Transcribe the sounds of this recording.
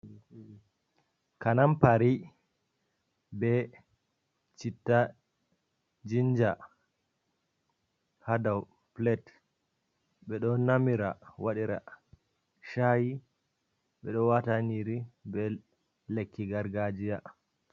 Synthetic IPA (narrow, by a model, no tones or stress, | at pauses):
kanampaɾi | bɛ | t͡ʃitːa | d͡ʒind͡ʒa | hadaw | plɛt | ɓɛɗɔnamiɾawaɗiɾa̰ | ʃaji | ɓɛɗɔwataniɾibɛ | lekːiɡaɾɡad͡ʒija